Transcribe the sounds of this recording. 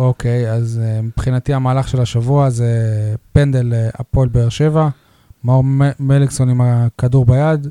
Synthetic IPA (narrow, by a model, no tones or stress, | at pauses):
okʰe̞jazmipχinat̪iamaːlaχʃe̞laʃavuazepend̪e̞lea̰po̞lbeeʁʃe̞va | maoʁmeliksonimakaduʁbajad̪